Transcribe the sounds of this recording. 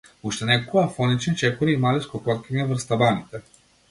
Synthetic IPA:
uʃt̪ɛnɛkokɔafɔnit͡ʃɛnt͡ʃɛkɔɾiimaliskɔkɔt̪kʲɛɲɛvrst̪abanit̪ɛ

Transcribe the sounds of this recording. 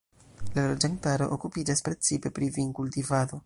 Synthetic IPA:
lalod͡ʒaŋtaɾo̞̰ʔokupid͡ʒaspɾet͡sipe̞pɾiviŋkultivad̪o̞

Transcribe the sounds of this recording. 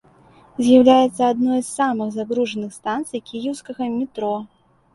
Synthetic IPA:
zʲjawlʲajɛt̪sːɐad̪nɔjsːamɨxzaɣɾuʐɐnɨxst̪ant̪sɨjkʲijiwskɐɣɐmʲit̪ɾɔ

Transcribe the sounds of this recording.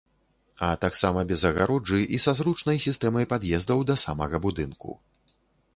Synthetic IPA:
ɐt̪aksamɐbʲɛzɐɣa̰ɾud͡ʐɨʔisazɾut͡ʂnɐjsʲist̪ɛmɐjpad̪jɛzd̪ɐwd̪ɐsamɐɣɐbud̪ɨnkṵ

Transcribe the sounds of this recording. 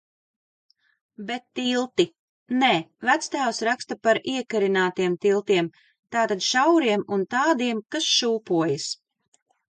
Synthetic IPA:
bet̪ːilˠt̪i | neːvæt̪st̪æːwsɾakst̪apaɾiɛkaɾinaːt̪iɛmt̪ilˠt̪iɛm | t̪aːt̪ad̪ʃawɾiɛmunt̪aːd̪iɛmkasʃuːpuɔjas

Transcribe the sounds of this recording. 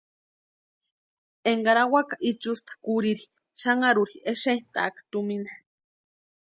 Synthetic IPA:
eŋɡaɾawakaʔit͡ʃust̪ḁkuɾiɾi̥ | ʃaŋaɾuɾieʃent̪a̰kḁt̪umina

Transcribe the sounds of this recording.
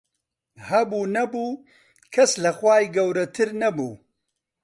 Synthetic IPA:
hɐbuːnɐbuː | kʰɐslɐxwaːjɡɐwɾɐt̪ʰɨɾnɐbṵː

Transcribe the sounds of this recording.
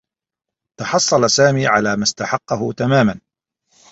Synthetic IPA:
t̪ɑħɑsˤːɑlasaːmiːʕalaːmast̪aħɑqːɑɦʊt̪amaːman

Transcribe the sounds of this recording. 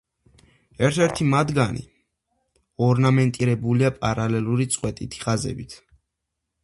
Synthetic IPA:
ɛɾt̪ʰɛɾt̪ʰimad̪ɡanḭ | ɔɾnamɛnt̪ʼiɾɛbuliapʼaɾalɛlˠuɾit̪sʼqʼwɛt̪ʼit̪ʰi̥χazɛ̰bit̪ʰ

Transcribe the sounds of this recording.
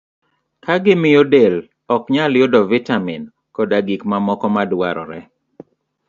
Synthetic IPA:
kaɡɪmɪjodel | ɔkɲaljodɔvitamin | kɔdaɡikmamɔkɔmadwaɾɔ̰ɾɛ

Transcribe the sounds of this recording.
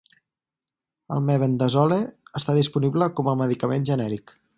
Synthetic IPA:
ə̰lˠmɛβend̪əzɔleəst̪aðispunibləkɔməməðikəmenʒənɛɾik

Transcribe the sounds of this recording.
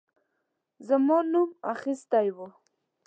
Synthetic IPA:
zəmɑnuma̰xɪst̪ajwu

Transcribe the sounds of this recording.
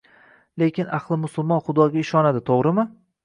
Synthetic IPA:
le̞kʲɪnaχlˠɪmʊsʊlˠmɒnχʊd̪ɒɡʲaɪʃɒnad̪ɪt̪ʰoʁɾɪmɪ

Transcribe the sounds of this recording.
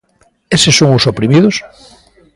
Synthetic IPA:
esesoŋʊsopɾimiðos

